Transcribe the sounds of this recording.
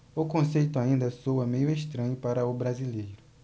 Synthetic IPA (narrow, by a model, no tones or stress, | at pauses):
ʊkõsejt̪ʊaĩnd̪ɐsowɐmejʊeʃt̪ɾɐ̃ɲʊpaɾɐʊbɾazilejɾʊ